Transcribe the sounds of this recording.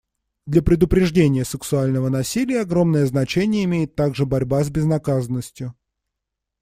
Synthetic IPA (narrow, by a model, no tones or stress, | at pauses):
d̪lʲəpɾʲɪd̪ʊpɾʲɪʐdʲenʲɪjəsʲəksʊalʲnəvənɐsʲilʲɪjəɐɡɾo̞mnəjəznɐt͡ɕenʲɪjəɪmʲejɪt̪ːaɡʐɨbɐɾʲbazʲbʲɪznɐkazənːəsʲtʲjʊ